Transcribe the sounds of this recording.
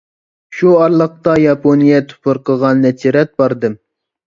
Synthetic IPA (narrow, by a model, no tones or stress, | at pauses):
ʃuɑɾlˠəq̚t̪ɑjɑpʰonijɛt̪ʰu̥pʰɨɾqəʁɑnːɛt͡ʃʰiɾɛt̪̚bɑɾd̪ɨm